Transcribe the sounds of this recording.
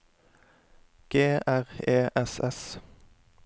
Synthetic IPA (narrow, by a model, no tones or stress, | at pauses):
ɡ̥eːʔæʁeːʔɛsɛs